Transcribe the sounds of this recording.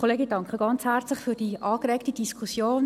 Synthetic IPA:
oleːɡɪndɑŋkχəɡ̥ɑnt͡shært͡slɪχfyːɾd̥iʔɑːkrɛːktidiskʰusjoːn

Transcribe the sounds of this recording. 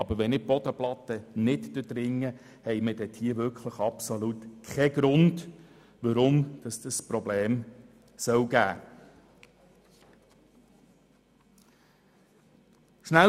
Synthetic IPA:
ɑbəɾʋɛnɪb̥ɔd̥̪əplɑt̪ːənɪtd̥əd̥̪ɾɪŋːə | hɛjmədɛt̪hiːəʋʏɾkχləχɑpsolutkʰɛɡ̥ɾʊnd | ʋɑɾʊmd̥ɑsd̥̪əspɾɔbleːm | sœwɡæː | ʃnæ

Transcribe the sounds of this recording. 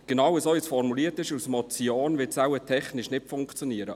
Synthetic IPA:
ɡ̥enɑwəsoisfɔrmuliːətɪʃusmɔt͡sioːnvɪtsæwətʰɛχnɪʃnɪtfʊŋkt͡sjɔniːəɾə

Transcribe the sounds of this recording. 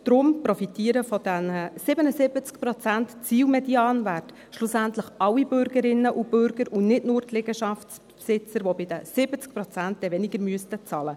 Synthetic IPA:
d̥ɾʊmpɾɔfitiːəɾəfɔd̥ɛnəsɪbənəsɪbət͡skpɾɔt͡sæntt͡siːwmɛdiɑːnvært | ʃlʊsæntləχɑwibʏɾɡəɾɪnːəʔub̥ʏɾɡ̥əɾunɪtnʊɾtʰlɪɡəʃɑft͡sppsɪt͡səɾʋobɪd̥əsɪbət͡sk̚pɾɔt͡sænt̚d̥̪ɛʋɛnɪɡəɾmyəstət͡sɑːlə

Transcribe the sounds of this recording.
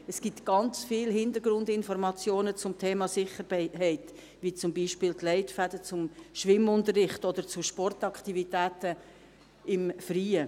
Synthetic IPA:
ɛsɡ̥itɡ̥ɑnt͡sfiːlɦɪndəɾɡɾʊndɪnfɔɾmɑt͡sjoːnət͡sʊmtʰɛːmɑsɪχəɾbɛɪɦɛɪt | ʋit͡sʊmbiːʃpɪːltlɛɪtfæd̥ət͡sʊmʃʋɪmʊntəɾːɪχtɔd̥̪əɾt͡suʃpɔrtɑkχtivitæːtə | ɪmfriːə

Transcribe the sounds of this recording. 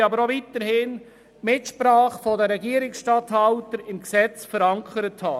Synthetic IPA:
ɑbəɾovit̪əɾhɪn | mɪtʃpɾɑːχfɔdəɾɛɡiːəɾɪksʃtɑthɑʊtəɾɪmksɛt͡sfəɾɑŋkʰəɾəthɑː

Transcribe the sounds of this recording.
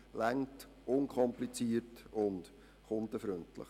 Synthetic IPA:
læŋt | ʊnkʰɔmplit͡siətʊnd̥ | χʊnd̪əfɾøntlə̰χ

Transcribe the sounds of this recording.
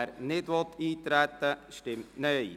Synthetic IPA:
ɾnɪdʋɔt̪ːiːt̪ɾæt̪ːəʃtɪmtnœj

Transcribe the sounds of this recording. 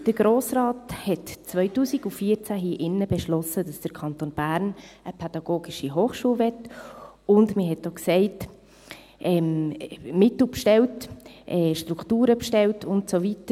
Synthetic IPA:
d̥əɾɡ̥ɾoːsɾɑːthɛtt͡sʋœʏtuːsiɡufiːət͡sæɦiːʔɪnːəbɛʃlɔsəd̥ɑsd̥əkʰɑntonb̥æːɾnəpʰɛd̥ɑɡ̥oːɡ̥iʃiɦoːχʃuːlvɛt | ʊndməɦɛt̚doksɛɪt | ʔɛmmɪtl̩pʃtɛwtʔɛːʃtɾukʰtuːɾəpʃtɛltʊntsovitə

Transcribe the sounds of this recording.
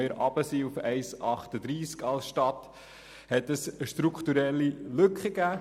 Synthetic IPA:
jəɾɑb̥əsiufɛɪsɑχt̪əd̪ɾiːskɑlsʃtɑt̪ | hɛt̪əsəʃtɾukχt̪uɾɛlːilɵkχəɡæː

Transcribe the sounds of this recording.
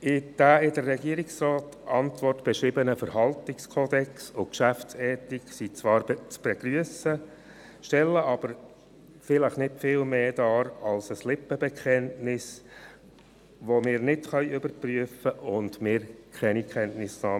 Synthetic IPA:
ɪd̥æːɪdəɾːɛɡiːəɾɪksrɑːt | ʔɑntʋɔrtb̥ɛʃɾɪbənəfəɾɦɑltɪkskʰoːd̪ɛksʊkʃæfsɛːtiksit͡sʋɑːɾt͡sb̥ɛɡ̥ɾyəsə | ʃtɛlːəʔɑb̥əɾ | fɪləχnɪtfɪːlmeːd̥ɑːɾɑlsəslɪpːəbɛkʰχɛntnɪs | ʋomɪːɾnɪtχœʏjʏbəɾpryəfəʔʊndmɪːɾkʰɛnikʰχɛntnɪsnɑː

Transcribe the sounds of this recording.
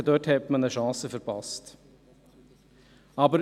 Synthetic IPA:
əd̪œthɛtmənəʃɑ̃ːsəfəɾpɑst | ɑbəɾ

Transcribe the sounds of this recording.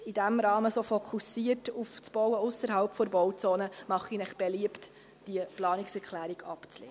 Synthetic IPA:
idæmɾɑːməsoːfokʰusiətuft͡sb̥ɔwəʊsəɾɦɑlpfɔɾbɔwt͡soːnəmɑχinɛχb̥eliəpt | d̥iəplɑːniksɛɾkʰlæːɾiɡɑ̰pt͡slḛːə

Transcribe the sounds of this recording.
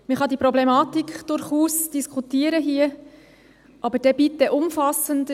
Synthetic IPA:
məχɑd̪ipɾɔblɛmɑːtikd̥ʊɾχuːsd̥iskʰχutiəɾəɦiːə | ʔɑbəd̥ɛb̥itːəʔʊmfɑsənd

